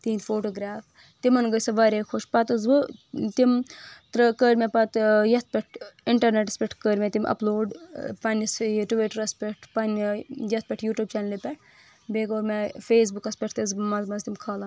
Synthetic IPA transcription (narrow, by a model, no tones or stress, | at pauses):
t̪iːnfoːʈoːɡɾaːf | t̪imɐnɡəsɐʋɐɾekʰoʃpɐt̪ɨzbɨt̪imt̪ɾɨkəːɾmepɐt̪jɐt̪̚ʰpʲɛʈʰiɳʈɐɾneʈɐspʲɛʈʰkəɾmet̪imʔɐ̰ploːɖpɐnʲisʈuʋiʈɐɾɐspʲeʈʰpɐnjɐt̪̚ʰpʲɛʈʰjuːʈjub̚t͡ʃaːnlipʲɛʈ̚ʰ | beːkoːɾmefeːs̬bukɐspʲeʈʰt̪izmɐzmɐnzt̪imkʰɐːlɐn